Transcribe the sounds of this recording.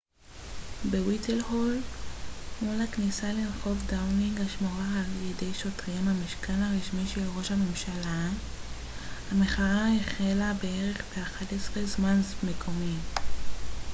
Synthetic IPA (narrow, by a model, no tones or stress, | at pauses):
bewitʰelhol | mulaknisalilχo̞vdawniŋɡaʃmoʁaːljede̞jʃo̞tʁimhamiʃkʰanhaʁiʃmiʃelʁo̞ʃhame̞mʃala | hameχaʁaeχelabee̞ʁe̞χbeaχatesʁezmanzme̞kʰo̞mi